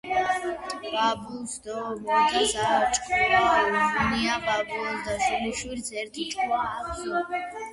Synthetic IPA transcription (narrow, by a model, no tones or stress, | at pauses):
babusd̪ɔmɔɡisat͡ʃʼqʼuaniababusd̪aʃumiʃwiɾsʰɛɾt̪ʰit͡ʃʼua